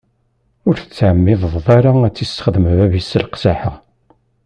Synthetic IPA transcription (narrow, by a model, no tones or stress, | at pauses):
ʊɾθət͡sːʕəmːɪðˤðˤðˤaɾaæt͡sːist̪χəðəmvævisəlqsaħəʁ